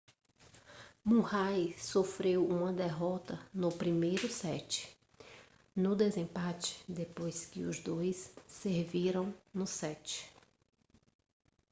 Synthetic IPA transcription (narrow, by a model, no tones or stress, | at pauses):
mũhajsofɾewũmɐd̪eɦɔt̪ɐnʊpɾimejɾʊsɛt͡ʃɪ̥ | nʊd̪ezẽpat͡ʃɪ̥d̪epojskɪʊzd̪ojsːeɾviɾɐ̃w̃nʊsɛt͡ʃɪ̥